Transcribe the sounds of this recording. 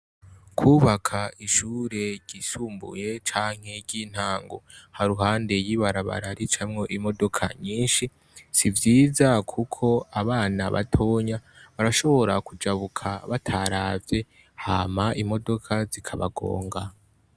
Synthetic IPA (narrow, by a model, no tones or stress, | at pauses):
kʰuβakʰaiʃuːɾe̞ɟ̥isuːmbṵje̞t͡ʃaːŋ̥he̞ɾɟin̥haːŋɡo̞̰haɾuɦaːnde̞jiβaɾaβa̰ɾaɾit͡ʃaimŋo̞ʔimo̞do̞kʰa̰ɲiːnʃi | sivjiːzakʰukʰo̞aβaːnaβa̰tʰo̞ːɲa | βaɾaʃo̞βo̞ɾakud͡ʒaβukʰaβatʰaɾaːvje̞ | haːmaʔimo̞do̞kʰazikʰaβa̰ɡo̞̰ːŋɡa